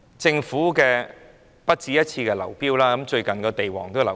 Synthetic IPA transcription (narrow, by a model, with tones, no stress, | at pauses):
t͡sɪ˧ŋfuː˨˥kɛː˧ | pɐ˥t̚t͡siː˧jɐ˥t̚t͡sʰiː˧kɛː˧lɐ˨˩wpiː˥wlaː˥kɐ˨˦mt͡ʃɵ˧ɥkɐ˨nkɔː˧t̪e˨jwɔ̰ː˨˩ŋt̪o˥lɐ˨˩